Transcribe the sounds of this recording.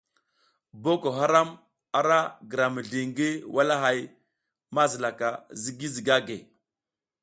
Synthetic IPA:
bo˦ko˨ɦa˦ɾa˦m | a˨ɾa˦ɡə˨ɾa˨mə˨ɮi˨ŋɡi˦wa˦la˦ɦa˨j | ma˦zi˨la˨ka˨zi˦ɡi˦zi˨ɡa˦ɡe˨

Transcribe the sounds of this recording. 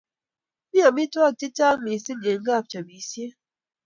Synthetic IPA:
mi˦a˨mi˦twa˦ti˦ta˦mi˨si˦de˨ŋ˦ɡa˦˨p̚t͡ʃa˨bi˨si˦e˦

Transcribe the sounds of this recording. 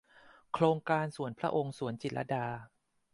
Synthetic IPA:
kʰɾoː˧ŋkaː˧nsu˨˩˦ənpʰɾa˦˥ʔo˧ŋsu˨˩˦ənt͡ɕi˨˩ʔa̰˧˥daː˧

